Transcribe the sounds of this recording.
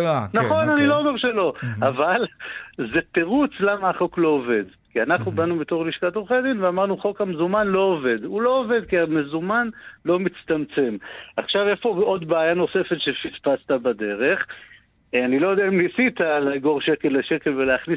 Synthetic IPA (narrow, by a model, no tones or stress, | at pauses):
naχo̞nanilo̞omeʁʃe̞lo̞avalze̞teʁut͡slamaχo̞klo̞ove̞d̪kianaχnubanubet̪o̞ʁliʃkat̪oχedinveamaʁnuχo̞khamezumanlo̞ove̞d̪ulo̞ːve̞d̪kiamezumanlo̞mit͡st̪amt͡semaχʃave̞fo̞o̞d̪baːjano̞se̞fe̞tʃefitpast̪abad̪e̞ʁe̞χ | anilo̞jodeaimlisit̪alaɡo̞ʁʃeke̞lːeʃe̞ke̞lveleaχnis